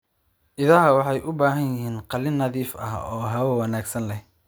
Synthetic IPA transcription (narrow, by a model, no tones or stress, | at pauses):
ʔɪðɐɦɐwɑħɑjʔʊbaːɦɐnjɪɦiːnqɑlɪnːɐðiːfɐ̰hɔːɦɐwɐwɐnaːɡsɐnlɛh